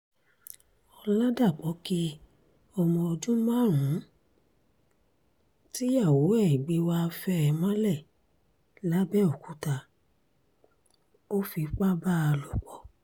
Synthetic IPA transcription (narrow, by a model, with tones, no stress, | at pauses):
ɔ˧la˦da˦˨k͡pɔ˨˦ki˧ | ɔ˧mɔ̃˧o˧d͡ʒũ˦mã˦˨ɾũ˨˦ | ti˦ja˦˨wo˨˦ɛ˦˨i˨ɡ͡bi˧˦wa˦˧fɛ˦ɛ˧˨mã˦lɛ˦˨ | la˨˦bɛ˦o˨ku˨˦ta˧ | o˦fi˧k͡pa˦ba˦a˧lo˨k͡pɔ˨˦